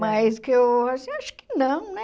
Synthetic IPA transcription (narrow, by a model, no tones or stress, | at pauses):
majzd̪ʊkɪewasĩaʃʊ̥kɪ̥nɐ̃w̃nɛ